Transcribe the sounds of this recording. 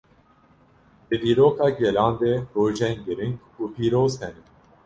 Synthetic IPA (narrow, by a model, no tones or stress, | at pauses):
bɨd̪iːɾoːkʰɑːɡɛlɑːnd̪eɾoːʒɛnɡɨɾiŋɡ | uːpʰiːɾoːzhɛnɨn